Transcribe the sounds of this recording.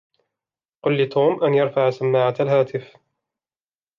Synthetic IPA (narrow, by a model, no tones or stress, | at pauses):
qʊlːɪt̪ʰuːmʔanjɑɾˤfaʕasamːaːʕat̪alɦaːt̪ɪf